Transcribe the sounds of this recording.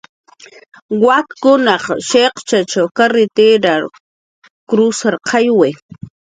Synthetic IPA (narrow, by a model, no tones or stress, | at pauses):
wakːʊnɑχʃeqt͡ʃat͡ʃawkaɾɪt̪eɾaɾ | kɾʊsaɾqʰɑjwe